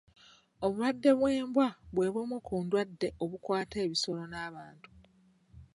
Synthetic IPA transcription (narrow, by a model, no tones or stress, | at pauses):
o̞βuɾwadːe̞βwe̞ːmbwaβwe̞ːβwemukuːndwadːe̞o̞βukwaːte̞ːβiso̞lo̞naːβaːntu̥